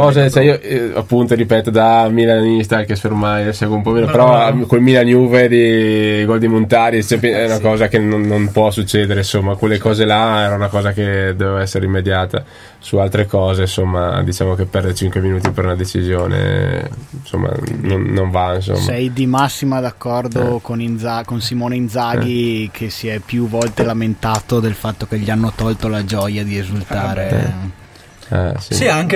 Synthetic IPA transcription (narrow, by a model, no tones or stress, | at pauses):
kɔːzet͡ʃɛioa̰pːunt̪oɾipɛt̪od̪amilanist̪akesfermajsɛɡweumpɔmeːnopeɾɔkelmilanjuːved̪iɡɔld̪imont̪aːɾit͡ʃɛpeɛunakɔːzakenonːonpwɔsut͡ʃːeːd̪eɾeinsomːakwelːekɔːzelaɛːɾaunakɔːzaked̪ovevaɛsːeɾeimːed̪jaːt̪a̰ | sualt̪ɾekɔːzensomːa̰d̪it͡ʃaːmokepːɛrd̪et͡ʃiŋkweminuːt̪ipeɾunad̪et͡ʃizjoːnḛ | so̰mːa̰nonːoɱvains̬o̰msːɛjd̪imasːimad̪akːɔrd̪okonind̪zakonsimoːneind̪zaːɡikʰesiɛpjuvɔlt̪elament̪aːt̪od̪elfat̪ːok̟eʎːianːot̪ɔlt̪olad͡ʒɔjad̪iezult̪aːɾḛ | ɛ̰sisiaŋke